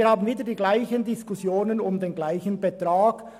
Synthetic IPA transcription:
haːbn̩viːdədiːɡlaɪçəndɪskʊsjoːnənʊmdeːnɡlaɪçənbɛtʁaːɡ̥

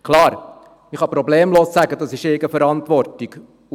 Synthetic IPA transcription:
kʰlɑːɾ | miχɑpɾɔbleːmloːssæɡədɑsɪʃeɡəfɛɾɑntʋɔɾtiɡ̥

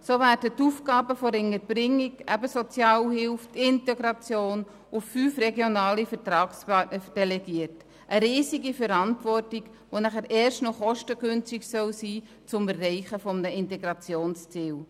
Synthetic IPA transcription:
sovæːɾdətuːfɡɑːbəfoɾɪŋəɾb̥ɾɪŋːikæbəsɔt͡sjɑːlhɪlftɪntɛɡɾɑt͡sjoːn | ʊffyːfrɛɡjonɑːlifəɾtɾɑːkspɑnəd̥ɛlɛɡiːət | ʔəɾiːsiɡifɛɾɑntʋɔrtɪɡ | ʋonæχæɾʔɛːɾʃtnɔχɔʃtəɡʏnt͡stɪçsœlsiː | t͡sʊmɛrːɛɪχəfɔmnəɪntɛɡɾɑt͡sjoːnst͡siːl

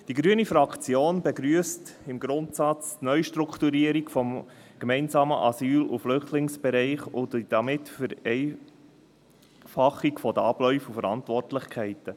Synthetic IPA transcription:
d̥iɡɾyənifɾɑkʰt͡sjoːnbɛɡɾyːəstɪmɡɾʊnt̪sɑt͡stnœʏʃtɾukʰtuɾiəɾikfɔm | ɡ̥mɛɪnzɑːmə̰ʔɑsyːluflʏχtlɪŋsb̥ɛɾɛɪχʊdd̥ɑmɪtfəɾɛɪ | fɑχːikfɔd̪əɑb̥lœʏfufəɾɑntʋɔrtlɪχkʰɛɪtə

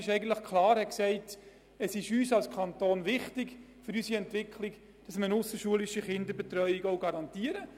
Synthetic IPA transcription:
ɪʃɛɪɡən̩tləχkʰlɑːɾhɛksɛɪt | əsɪʃyːsɑlskʰɑntoːnʋɪχtɪɡ | fʏɾysiɛntʋɪkʰlɪk | d̥ɑsməənʊsəʃuəlɪʃəχɪndəɾbɛt̪ɾœʏikɔʊɡɑɾɑntiəɾə

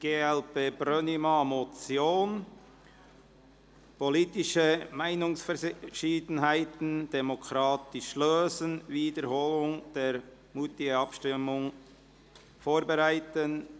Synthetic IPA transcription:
ɡ̥eːɛlpeːb̥ɾœnimɑmot͡sjoːn | poliːtɪʃəmaɪnʊŋsfɛʃiːdən̩ɦaɪtn̩d̥emokʰɾɑːtɪʃløːzənviːdəɾhoːlʊŋd̥eːɾ | muːtɪɡəɑpʃtɪmʊŋ | foːɾbeɾaɪtən

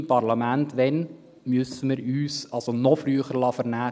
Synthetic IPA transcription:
pɑrlɑmæntʋɛn | mʏsəməɾyːsɑlsonɔfɾyəχəɾlɑfəɾnæː

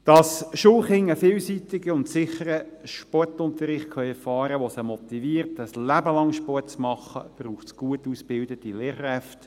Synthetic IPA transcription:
d̥ɑsʃoχɪŋəfɪːlsitɪɡəʊntsɪχəɾə | ʃpɔtʊnt̪əɾɪχtkʰœjɛɾfɑːɾəʋosəmɔt̪iʋiːəɾtəslæbəlɑŋʃpɔtt͡smɑχːə̰b̥ruːχtsɡ̥uətuːsbɪldətileːɾχɾɛft

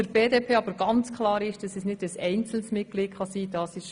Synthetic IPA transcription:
əɾbeːdeːpʰeːɑbəɾɡ̥ɑnt͡skʰlɑːɾɪʃd̥ɑsɛsnɪd̥əsɛɪnt͡sl̩smɪɡ̥lɪːtχɑsiːd̥ɑːsɪʃ

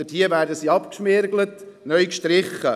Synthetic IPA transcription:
əthiəvæːɾdəsiːɑpkʃmɪɾɡlət | nœʏkʃtɾɪχːə

